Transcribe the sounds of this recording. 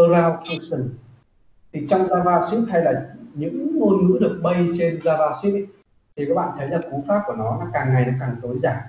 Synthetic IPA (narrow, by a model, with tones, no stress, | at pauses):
ə˧ɾaː˧wfa˧nsə˨˩n | t̪ʰi˨˩t͡ɕɔ˧wŋ͡mzaː˧vaː˧swi˦˥p̚ha˧jlaː˨˩ɲɨ̰˧˥ŋːo˧nŋɨ̰˧˥əɗɨ˨˩ək̚ɓə˧jt͡ɕe˧nzaː˧vaː˧swi˦˥ | t̪ʰi˨˩kaː˦˥k̚ɓa̰ː˧˨t̪ʰə˨˦jlaː˨˩ku˨˦faː˦˥p̚ku˧˩ənɔ˨˦laː˨˩kaː˨˩ŋːa˨˩jɗɨ˨˩kaː˨˩ŋt̪o˨˦jzaː˧˩ŋ